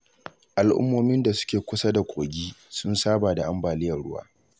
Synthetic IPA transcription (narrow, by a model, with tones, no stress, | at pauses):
ʔa˨lʔʊ̰˦mːoː˦mɪ˦nda˨sʊ̥˦kʲeː˨kʷʊ˦sa˦da˨kʷʼoː˨ɡʲiː˦sʊ˦nsaː˦baː˨da˨ʔa˦mbaː˨lɪ˦jɐ˨rɽʊ˦wa̰ː˦